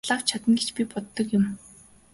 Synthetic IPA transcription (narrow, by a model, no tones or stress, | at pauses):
ɮaːwt͡ɕʰat̪ə̆nɡet͡ɕpʲipɔt̪ːɞ̆kjʊ̆m